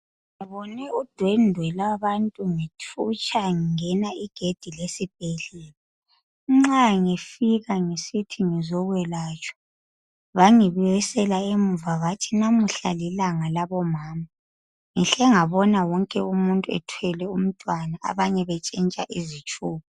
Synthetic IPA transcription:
ŋiβɔnɛud̥ʱwɛndʱwɛlaβantʼuŋitʰut͡ʃʰʼaŋiŋɛnaiɡ̥ʱed̥ʱilesib̥ʱɛɮɛːla | ŋ͡ǁaŋefiɣaŋesitʰiŋizɔɣwɛlaːt͡ʃʼʰɔ̥ | βaŋiβirisɛlaemuvaɣatʰinamuɬalilaŋalaβɔmaːma | ŋiɬɛŋaβɔnawɔŋkʼɛumuntʼuɛ̰tʰwɛlɛum̩tʼwanaa̰βaɲɛβɛt͡ʃʼint͡ʃʼaʔizit͡ʃʼuːβɔ

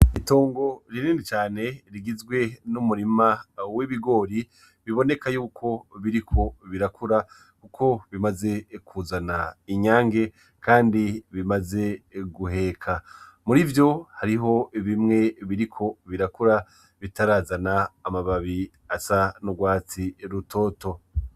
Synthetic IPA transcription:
itoːŋɡo̞ɾininit͡ʃaːne̞ɾiɡizɡwe̞numuɾimawiβiɡo̞ːɾi | βiβo̞ne̞kajuːkʰo̞βiɾikʰo̞βiɾakʰuɾa | kukʰo̞βimaze̞kʰuzanaiɲaːŋɡe̞ | kaːndiβimaze̞ɡuɦe̞kʰa | muɾivjo̞haɾiɦo̞iβimŋe̞βiɾikʰo̞βiɾakuɾa | βitaɾaːzanaːmaβaβi | asanuɡwaːt͡siɾuto̞ːto̞

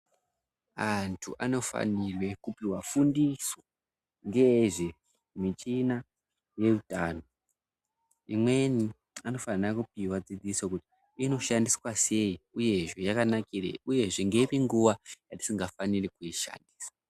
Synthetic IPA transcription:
antʰuʔa̰no̞fa̰nirwe̞kupiwafundiso | ŋɡeʐe̞ | mit͡ʃina | je̞rutaːno̞ | imwe̞ni | ano̞fanirakupiwad͡zid͡zisokuti̥ | ino̞ʃandiswase̞iuje̞ʐe̞jakanakirḛuje̞ʐeŋɡeipiŋɡuwajati̥siŋɡafanirikuiʃa̰ndiːsḁ

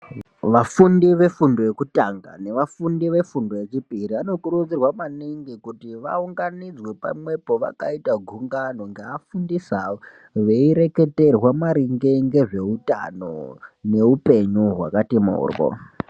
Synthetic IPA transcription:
ʋafundiʋe̞fundo̞jekutaŋɡa̰ne̞ʋafundiʋe̞fundo̞jet͡ʃipiɾiano̞kuɾud͡zirwamaniŋɡikutiʋa̰uŋɡanid͡zwepa̰mwe̞po̞ʋa̰kaitaɡʱuŋɡano̞ŋɡeafundisa | ʋeiɾe̞ke̞te̞rwamaɾiŋɡeŋɡe̞ʐe̞uta̰no̞̰ne̞upe̞ɲuɦwa̰katima̰ṵːrko̰

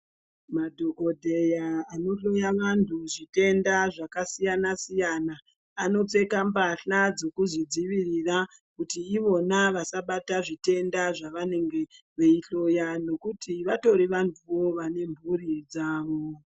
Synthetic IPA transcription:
madʱoko̞dʱe̞jaːno̞ɬo̞jaʋantʰuʐite̞ndaʐakasijanasijanaː | no̞t͡se̞kambaɬad͡zo̞kuzid͡ziʋirira | kutiːʋo̞naʋasaɓataʐite̞ndaʐaʋane̞ŋɡe̞ | ʋe̞iɬo̞jano̞kutiʋato̞ɾiʋantʰuʋo̞ʋane̞mbʱurid͡zaːʋo̞

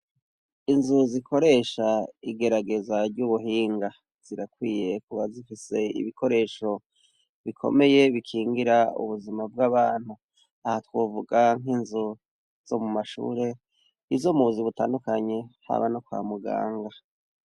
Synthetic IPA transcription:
inzuzikʰo̞ɾe̞ːʃaiɡe̞ɾaɡe̞zaɾɟuβuɦiːŋɡa | z̥iɾakwiːje̞kuβazifise̞ḭβikʰo̞ɾe̞ːʃo̞ | βikʰo̞̰me̞je̞βikʰiːŋɡiɾaṵβuzimab̚ɡaβaːn̥hu | ahatwovuɡaŋinzu | z̥o̞̰mumaʃṵːɾe̞ | izomuuziβutaːndukaɲe̞ha̰βa̰nokwa̰ːmuɡa̰ːŋɡa

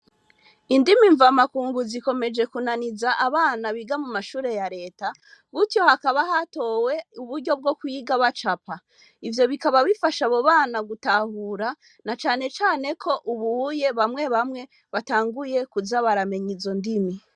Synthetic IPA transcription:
indimiɱvamakuːŋɡuziko̞me̞d͡ʒe̞kunanizaʔaβaːnaβiɡamumaʃuːɾe̞jaɾe̞ːta | ɡutjo̞hakaβaɦato̞we̞uβuɾɟo̞b̚ɡo̞kujiɡaβat͡ʃapa | ivjo̞βikaβaβifaʃaβoβaːnaɡutahuːɾa | nat͡ʃaːne̞t͡ʃaːne̞kʰo̞ʔuβuje̞βamŋe̞βamŋe̞ | βataːŋɡuje̞kuzaβaɾame̞ɲizo̞ndimi

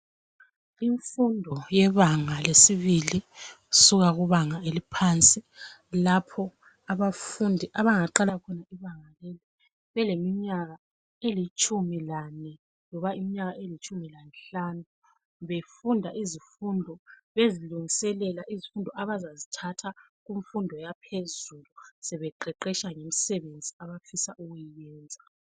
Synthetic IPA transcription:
iɱfundʱɔjɛβaŋalesiβili | usuɣaɣuβaŋaelipʰant͡sʼilapʰɔ | aβafundʱiʔaβaŋaǃalakʰɔnaiβaŋaleli | βɛlemiɲaɣa | elit͡ʃʼumilanɛ | lɔβaimiɲaɣaelit͡ʃʰʼumilanɬanu | βefundʱaʔizifundʱɔβeziluŋisɛlɛlaʔizifundʱɔʔaβazazitʰatʰa | ɣuɱfundʱɔjapʰezulusɛβɛǃɛǃɛʃaŋem̩sɛβend͡zʱiaβafisaʔuɣujijɛːnd͡zʱa

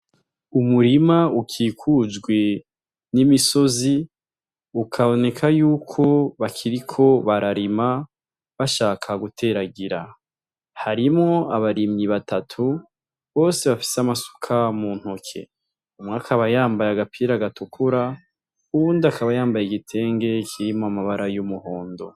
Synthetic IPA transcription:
umuɾimaukʰiːkʰud͡ʒɡwe | nimiso̞zi | ukʰaβo̞ne̞kʰajuːkʰo̞βakʰiɾikʰo̞βaɾaɾima | βaʃaːkʰaɡutʰe̞ːɾaɡiɾa | haɾimŋo̞aβaɾimɲiβatʰatʰu | βo̞ːse̞βafi̥seamasu̥kʰamuːn̥hokʰe̞̰ | umŋakʰaβajaːmbajaɡapʰiːɾaɡatukʰuɾa | uβuːndiakaβajaːmbajeɡitʰe̞ːŋɡe̞kʰiɾimoamaβaɾajumuho̞ːndo̞

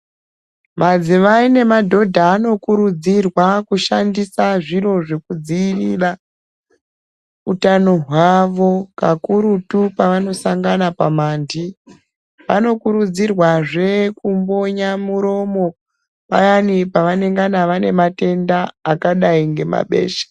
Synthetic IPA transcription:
mad͡ziʋaine̞madʱo̞dʱaːno̞kuɾud͡zirwakuʃandisaʐiɾo̞ʐe̞kud͡ziːrira | utanoɦwaʋo̞kakuɾutupaʋano̞saŋɡanapamaːndi | ʋa̰no̞kuɾud͡zirwaʐe̞kumbo̞ɲamuɾo̞mo̞ | pa̰janipaʋane̞ŋɡanaʋane̞mate̞ndaːkaɗaiŋɡe̞ma̰ɓe̞̰ːʃḁ

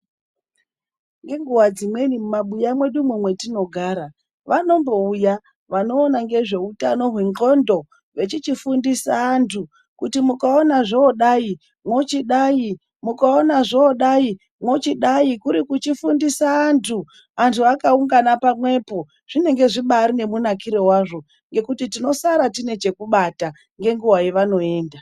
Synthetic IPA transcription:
ŋɡe̞ŋɡuwad͡zimwe̞nimumaɓujamwe̞ɗumwemwe̞tino̞ɡʱaːɾa | ʋano̞mbo̞uja | ʋano̞ːnaŋɡe̞ʐe̞utano̞ɦweŋɡo̞ndo̞ | ʋe̞t͡ʃit͡ʃifundisaːntʰu | kutimukaonaʐoɗai | mwot͡ʃiɗaːi | mukaonaʐoːɗai | mwo̞t͡ʃiɗaikuɾikut͡ʃifundisaːntʰu | antʰuakauŋɡanapamwe̞po̞ | ʐ̥ine̞ŋɡe̞ʐiɓaɾine̞munakiɾe̞waʐo̞ | ŋɡe̞kutitino̞saɾatine̞t͡ʃe̞kuɓata | ŋɡe̞ŋɡuwajeʋano̞e̞ːnda

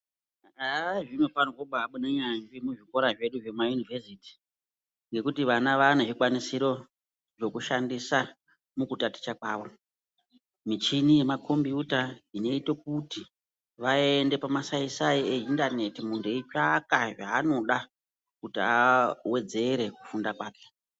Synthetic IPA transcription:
aʐimwepankoɓaːɓuneɲaʐimuʐiko̞ɾaʐe̞ɗuʐe̞majunivesiːti̥ | ŋɡe̞kutiʋanaʋaneʐikwanisiɾo̞ | ʐo̞kuʃandisa | mukutati̥t͡ʃakwaːʋo̞ | mit͡ʃinije̞makʰo̞mbiutaine̞itok̚uti | ʋaende̞pamasaisaieindane̞timuntʰeit͡ʃakaʐaːno̞ɗa | kutiawe̞d͡ze̞ɾe̞ku̥fundakwaːke̥

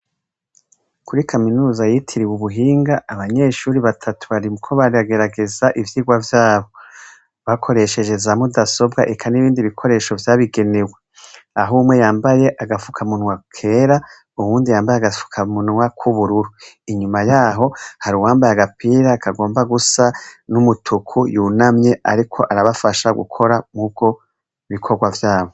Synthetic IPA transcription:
kuɾikʰaminuːzajitʰiɾiwuβuɦiːŋɡaːβaɲe̞ːʃuːɾiβatʰatʰu̥βaɾimukʰo̞βaɾiβaɡe̞ɾaɡe̞zaʔivjiːɡwavjaːβo̞ | βakʰo̞ɾe̞ʃe̞ʒe̞zamudaso̞bɡaʔekʰaniβiːndiβikʰo̞ɾe̞ːʃo̞vjaːβiɡe̞newe | aɦumwe̞jaːmbaje̞ʔaɡafu̥kʰamunwakʰe̞ːɾa | uhuːndijaːmbajeaɡafu̥kʰamunwakʰuβuɾuɾu | iɲumajaːɦo̞haɾuwaːmbajaɡapiɾaːkʰaɡo̞ːmbaɡusanumutʰukʰujuːnamɲe̞a̰ɾikʰo̞ʔaɾaβafaʃaɡṵkʰo̞ɾamub̚ɡ̥o̞ | iβikʰo̞ɡwavjaːβo̞

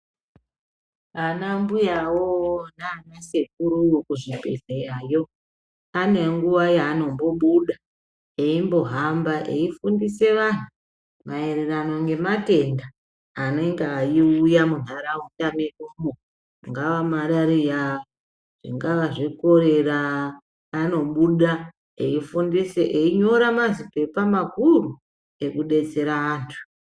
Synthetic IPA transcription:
anambujawonaːnase̞kuɾujokuʐipe̞̰ɮejaːjo̞ | ane̞ŋɡuʋajaːno̞mbo̞ɓuɗa | eimbo̞ɦambaʔḛifundise̞ʋan̤u | mae̞ɾerano̞ŋɡe̞mate̞ndaː | ne̞ŋɡaːjiujamuɦaɾautameumo | ŋɡaʋamaɗaɾijaa | ʐ̥ḭŋɡaʋaʐiko̞ɾe̞raː | no̞ɓuɗa | ḛifundiseʔeiɲo̞ɾamazipe̞pamakuru | e̞kuɗe̞t͡se̞ɾaaːntʰu̥

